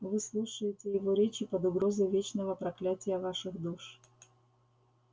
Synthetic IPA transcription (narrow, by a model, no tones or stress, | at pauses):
vɨslˠuʂəjɪtʲɪjɪvoɾʲet͡ɕɪpəd̪ʊɡɾozəjvʲet͡ɕnəvəpɾɐklʲætʲɪjəvaʂɨɣd̪uʂ